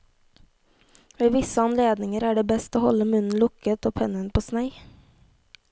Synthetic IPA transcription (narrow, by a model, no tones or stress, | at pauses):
ʋeːʋɪsəɑnleːd̪nɪŋəɾæːɖeːbɛst̪oːhɔ̰ləmʉnn̩lʊkət̪oːpʰɛnənpʰoːsnæɪ